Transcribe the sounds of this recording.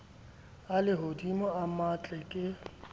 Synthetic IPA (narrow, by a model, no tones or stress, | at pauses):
alɪɦodimɔamat͡ɬʼɛkʼɪ